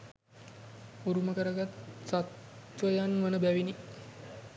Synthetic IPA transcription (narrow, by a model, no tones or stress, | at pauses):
uɾuməkəɾəɡat̪sat̪ʋəjanʋənəbæʋini